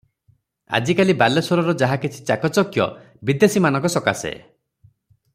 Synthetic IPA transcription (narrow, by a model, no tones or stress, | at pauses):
a̰d͡ʒikalibalesɔɾɔɾɔd͡ʒaɦakit͡ʃʰi̥t͡ʃakɔt͡ʃɔkjɔ̰ | bid̪esimanɔ̃ŋkɔsɔkasḛ